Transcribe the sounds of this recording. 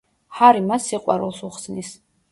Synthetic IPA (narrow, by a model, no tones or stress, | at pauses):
haɾimasːiqʼwa̰ɾṵlˠsuχsnis